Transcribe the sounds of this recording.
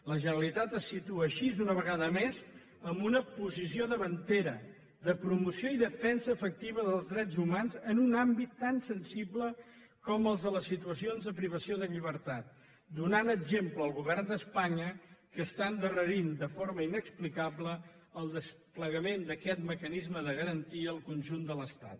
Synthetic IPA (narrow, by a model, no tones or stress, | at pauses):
ləʒənəlit̪at̪əsːit̪uəːʃizunəβəɣaðəmez | əmbunəpuzisioðəβənt̪eɾə | ðəpɾumusioiðəfɛnsəːfək̚t̪iβəðəlˠzðɾɛzumanzənunambit̪ːansənsiblə | kɔməlˠzðələsːit̪uəsionzðəpɾiβ̞əsioðəʎiβ̞əɾt̪at̪̚ | d̪unanəɡʒempləːəlˠɣuβ̞ɛrnd̪əspaɲəkəst̪aənd̪ərəɾind̪əfoɾməinəksplikabləəlˠd̪əspləɣəmend̪əkɛt̪məkənizməðəɣəɾənt̪iəːlˠkunʲʒund̪ələst̪a̰t̪